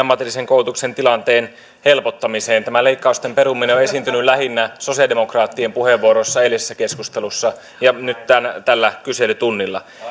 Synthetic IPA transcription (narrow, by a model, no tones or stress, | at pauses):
ɑmːɑt̪ilːiseŋkoulut̪uksent̪ilɑnt̪eːn | helpot̪ːɑmiseːnt̪æmæleikːɑust̪empeɾumːineoe̞sint̪ynylæɦinːæso̞siɑdemokrɑːt̪ːiempuheʋːuoɾosːɑelisesːækeskust̪elusːɑ | jɑnyt̪t̪ænt̪ælːækyselyt̪unːilːɑ